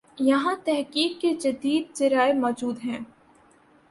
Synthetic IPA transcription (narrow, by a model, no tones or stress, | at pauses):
jɐɦãt̪ɛɦkiːkːed͡ʒɐd̪iːd̪̚d͡ʒɐɾaːemɔːd͡ʒuːd̪ɦɛ̃ː